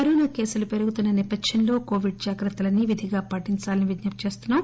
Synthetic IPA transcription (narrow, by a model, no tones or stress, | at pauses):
ɐɾoːnɐke̞ːsulupe̞ɾuɡut̪unːɐnipɐd̪ʃɐnlo̞ːko̞ːʋiɖ̚d͡ʒaːkɾɐt̪ːɐlɐnːiʋid̪ʱiɡaːpɐʈːiɲt͡ʃaːlɐniʋid̪nɐp̪̚t͡ʃe̞ːst̪unːaːm